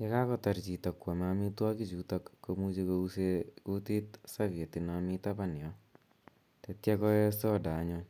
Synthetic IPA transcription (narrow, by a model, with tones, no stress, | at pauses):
ke˦ka˦kɔ˦ta˨ɾt͡ʃi˨tɔ˨kwɔ˨ma˧mi˦twa˦ki˦t͡ʃu˧to˦kːo˧mu˦t͡ʃe˧ko˧useko˦ti˦tsa˦ke˨ti˨nami˦ta˦pa˦ni˨ɔ˨˦ | te˧tjɛ˦kɔ˦ɛ˦sɔ˦da˨˦ɲo